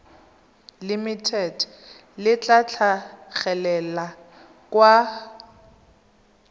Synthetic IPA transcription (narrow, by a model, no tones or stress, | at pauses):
limitʰɛd | lɪt͡ɬʼat͡ɬʰaɣɛlɛla | kʼwa